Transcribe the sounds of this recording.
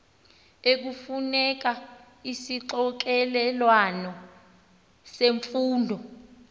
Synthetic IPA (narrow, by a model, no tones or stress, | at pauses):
ek̬ufunɛk̬a | isiǁɔk̬ɛlɛlwanɔ | seɱfuːndʱɔ